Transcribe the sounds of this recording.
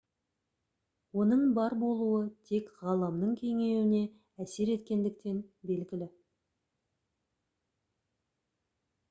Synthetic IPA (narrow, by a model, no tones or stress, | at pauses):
wo̞nəɴbɑɾbo̞lˠuət̪ʰe̞kʁɑlˠɑmd̪əɴkʲʰe̞ŋe̞wɪne̞ | æse̞ɾe̞t̪kʲe̞nd̪ɪk̚t̪e̞nbe̞lɡʲɪlɪ